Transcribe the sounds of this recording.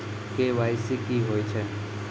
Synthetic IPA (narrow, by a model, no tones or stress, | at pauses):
keʋaːjsikiɦoːjt͡ʃʰe